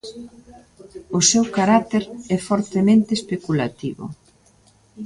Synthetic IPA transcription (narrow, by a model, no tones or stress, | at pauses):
ʊsewkaɾat̪eɾɛfɔɾt̪emẽnt̪espekula̰t̪iβʊ̰